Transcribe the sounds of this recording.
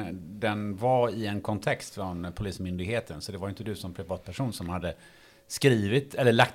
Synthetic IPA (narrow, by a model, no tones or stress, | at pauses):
d̪ɛnvaɪɛnkʰɔnt̪ʰɛkst̪fɾɔnpʰʊliːsmʏnd̪ɪɡheːt̪ʰənsɔd̪ɛvaɾjʏnt̪əd̪ɵsɔmpʰɾɪvɑːt̪̚pʰæʂuːnsɔmhad̪ːə | skɾiːvɪt̪ʰɛlːəɭak̚t̪